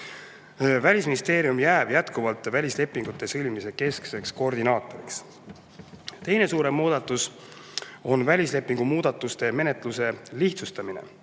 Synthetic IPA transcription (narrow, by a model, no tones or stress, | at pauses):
vælʲisminʲist̪e̞ːɾiumjæːb̥jæt̪kuvɑlt̪ːˑvælʲisle̞pːˑiŋɡ̥ut̪ːˑe̞sɤlʲmimise̞ke̞skse̞ksko̞rd̪inɑːt̪ˑo̞ɾiks | t̪e̞jne̞suːɾe̞mːuːd̪̥ɑt̪ːˑus | o̞nvælʲisle̞pːiŋɡ̥umuːd̪̥ɑt̪ːˑust̪e̞me̞ne̞t̪ːˑluse̞liht̪sust̪ɑminḛ